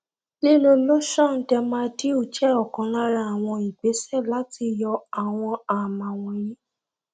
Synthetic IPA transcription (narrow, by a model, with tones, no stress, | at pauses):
li˦lũ˧˦mɔ̃˦ʃɔ̃˦˨n̩˨˦tɛ˧mãː˦di˦u˦˨t͡ʃɛ˦ɔ˨kã˨˦la˦ɾa˧˦a˨w̃ɔ̃˧i˨ɡ͡be˨˦sɛ˦˨la˨˦ti˧jɔ˧a˨w̃ɔ̃˧a˨mã˨w̃ɔ̃˧jĩ˦